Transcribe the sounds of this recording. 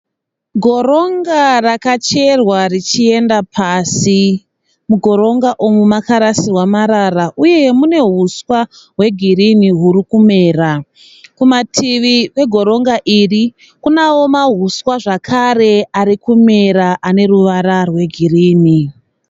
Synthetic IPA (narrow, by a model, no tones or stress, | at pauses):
ɡʱo̞ɾo̞ŋɡarakat͡ʃe̞rwarit͡ʃie̞ndapʰasi | muɡʱo̞ɾo̞ŋɡaʔomumakaɾasirwamaɾaraʔuje̞mune̞ɦuswa | ɦwe̞ɡʱiriniɦuɾikume̞ːra | kumatʰiʋiʋe̞ɡʱo̞ɾo̞ŋɡaʔiri | kunawo̞maɦuswaʐakʰare̞aɾikume̞ɾaʔane̞ɾuʋaɾarwe̞ɡʱiriːni